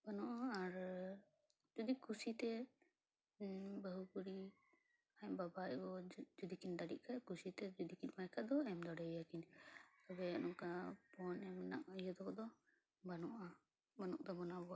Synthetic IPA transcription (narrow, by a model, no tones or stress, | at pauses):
banɔʔaːɾ | d͡ʒud̪ikʰusit̪ɛ | bəɦukuɾi | ajbabaʔbɔd͡ʒud̪ikind̪aɽiʔ̚kʰajkusit̪ɛd͡ʒud̪ikinmajkʰad̪ɔɛmd̪ɔɽɛjakiɲabɛnɔŋkapɔnɛmna̰ʔjɔd̪ɔkɔd̪ɔ | banɔʔa | banɔʔ̚d̪ɔbɔnabɔaʔ